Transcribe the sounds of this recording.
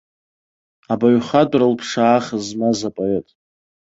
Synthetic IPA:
abaɥχadʷʼralpʰʂaːχəzmazapʼaretʼ

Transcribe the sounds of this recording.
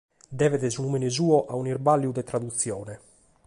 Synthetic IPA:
d̪ɛːveðesunuminezuːɔʔaunirbalːjud̪et̪ɾad̪ut̪sːjɔːnɛ

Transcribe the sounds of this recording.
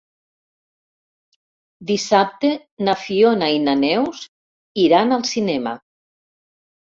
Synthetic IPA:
d̪isap̚t̪e | nafionainanɛws | iɾanalˠsinɛma̰

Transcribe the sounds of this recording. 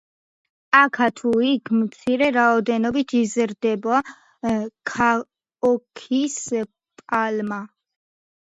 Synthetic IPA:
akʰat̪ʰuikʰmt̪sʰiɾɛɾaɔd̪ɛnɔbit̪ʰizɾd̪ɛbɔa | kʰa | ɔkʰis | pʼalma

